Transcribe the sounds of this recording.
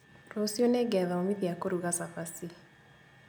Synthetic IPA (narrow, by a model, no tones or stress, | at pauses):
ɾosjoneɡɛðaomiðiakoɾuɣasapasi